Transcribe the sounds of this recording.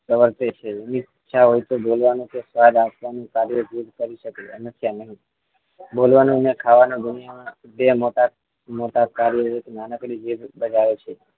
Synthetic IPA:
pəʋəɾt̪et͡ʃʰeniːʃʰaɦojt̪obolʋanũkesʋad̪apʋanũkaɾjəd͡ʒ̪uɾkəɾiʃəkeəməsʰjanəɦĩ | bolʋanũnekʰaʋanõd̪unijamã | bemoʈa | moʈakaɾjəɦek̪enanəkɽid͡ʒiɾbəd͡ʒajot͡ʃʰe

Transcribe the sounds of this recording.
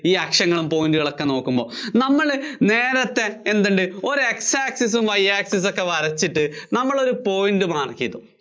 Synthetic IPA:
iːɐkʂɐŋːɐɭumpo̞ːjinɖɨɣɐɭokːe̞no̞ːkːumbo̞ːnɐmːɐɭne̞ːɾɐt̪ːe̞ːnd̪ɐɳɖɨo̞ɾueksaːksis̬umʋɐjːaːksis̬okːe̞ʋɐɾɐt͡ɕːiʈːɨnɐmːɐɭo̞ɾupo̞jnɖɨmaːɳɐkːijɐðṵm

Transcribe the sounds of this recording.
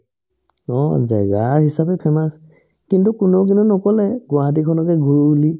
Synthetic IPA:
ɔ̰zɛ̰ɡaɦisapɛpʰɛmas | kintukʊnɔk̬inunɔkɔlɛɡʊaat̬ikʰɔnɔkɛɡuɹuli

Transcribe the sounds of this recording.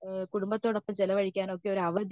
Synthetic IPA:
kuɽumbɐt̪ːo̞ːɽɐpːɐmt͡ɕelɐʋɐɻikʲːaːno̞kːeo̞ɾuɐʋɐd̪

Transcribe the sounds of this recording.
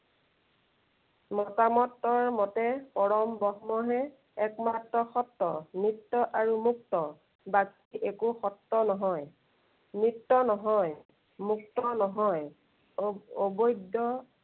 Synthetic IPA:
mɔtamɔtːɔɹmɔtɛpɔɹɔmbɔɦmɔɦɛ | ɛkmatɹɔxɔtːɔ̰nitːɔʔaɹumuk̚tɔ | bakiʔekuxɔtːɔnɔɦɔj | nɹitːɔnɔɦɔj | muk̚tɔnɔɦɔj | obojdɔ

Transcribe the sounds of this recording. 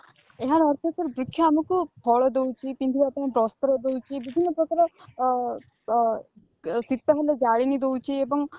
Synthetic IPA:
eɦaɾɔɾt̪ʰɔk̪ɔɾbɾukʰːjɔamɔkupʰɔɭɔd̪ewt͡ʃʰip̪ind̪ʱʰiapɔñẽbɾɔst̪ɔɾɔd̪ewt͡ʃʰibibʱinːɔpɾɔkaɾɔ | sit̪ːɔɦeled͡ʒaɭinid̪ewt͡ʃʰiebɔŋ

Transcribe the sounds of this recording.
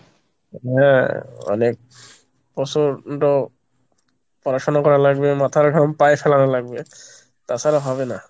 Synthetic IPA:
ɦɛ̃ɔ̰nek̚ | pɔsɔɹtɔ | pɔɹasɔnakɔɹalaɡbɛmat̪ʰaɹɡʱampajpʰɛlanalaɡbɛ | t̪asaɾɔbʱabɛna

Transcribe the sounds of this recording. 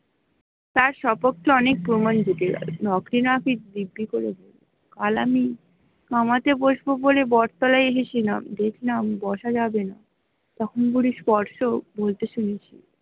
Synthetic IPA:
t̪aɾʃɔpokt̪ːeɔnek̚pɾomand͡ʑuʈḛnɔkɾinaakid̪ibːikoɾeb̪ʱolo | kalami | kamat̪eboʃbobolebɔɾt̪alaeeʃet͡ɕʰinamd̪ekʰnambɔʃad͡ʑabena | t̪ɔkʰonɡuɽispɔɾʃobolt̪eʃunet͡ɕʰi

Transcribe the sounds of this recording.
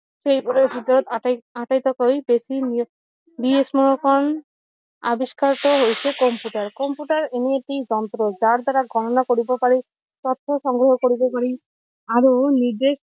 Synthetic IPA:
ʃejpɔɾebʱid̪ɔɾɔt̪aaʈajt̪ɔkojbesin | biesmɔɾokɔn | a̰biskaɾt̪ɔɦojt͡ʃʰekɔmpjuʈaɾkɔmpuʈaɾenieʈid͡ʒɔnt̪ɾod͡ʒaɾd̪aɾaɡʱɔʈɔnakoɽibɔpaɾi | t̪ɔt̪ʰːɔʃɔŋɡɾɔɦɔkoɽibɔpaɾi | aɾonid͡ʒeʃ

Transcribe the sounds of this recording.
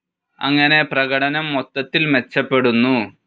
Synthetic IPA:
ɐ̰ŋːɐne̞prɐɣɐɽɐnɐmːot̪ːɐt̪ːilmet͡ɕːɐpːe̞ɽunːu

